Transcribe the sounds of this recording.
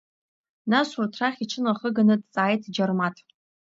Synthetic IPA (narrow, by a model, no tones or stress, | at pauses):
naɕurtʰraχʲiʈ͡ʂʰɨnaχəɡanɨtʼt͡sʼaːjtʰd͡ʒarmatʼ